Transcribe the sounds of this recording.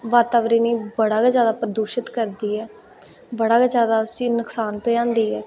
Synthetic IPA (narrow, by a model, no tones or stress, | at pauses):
ʋaːt̪aːʋɾiːniːbəɽaːɡd͡ʒjaːd̪aːpɾəd̪uːʃɪt̪kəɾd̪iːɦɛː | bəɽaːkad͡ʒjaːd̪aːʊsiːnʊksaːnpɛːãːnd̪iːɛː